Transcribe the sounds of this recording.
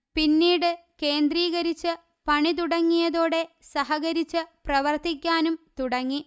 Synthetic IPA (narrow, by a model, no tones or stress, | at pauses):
pinːiːɽɨke̞ːnd̪riːɣɐɾit͡ɕːɨ | pɐɳit̪̬uɽɐŋːijɐðoːɽe̞ | sɐɦɐɣɐɾit͡ɕːɨprɐʋɐrt̪ikʲːaːnumt̪uɽɐŋːi